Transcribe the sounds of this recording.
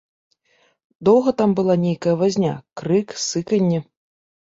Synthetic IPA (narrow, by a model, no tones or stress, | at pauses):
d̪ɔwɣɐt̪ambɨlˠanʲejkɐjɐvazʲnʲakɾɨksɨkɐnʲːi